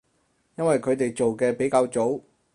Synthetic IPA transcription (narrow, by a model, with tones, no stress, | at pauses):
jɐ˥nwɐ˨jkʰɵ˨˧ɥt̪e˨jt͡so˨wkɛː˧pe˨˥jkaː˧wt͡ʃo˨˥w